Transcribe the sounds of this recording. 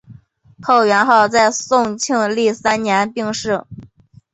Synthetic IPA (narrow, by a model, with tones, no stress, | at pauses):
kʰo˥˩ʊɥɛ˧˥nxɑ˥˧ʊt͡sa˥˧ɪsʊ˥˧ŋt͡ɕʰi˥˧ŋli˥˩sa˥nnjɛ˧˥npi˥˧ŋʂɻ̩˥˩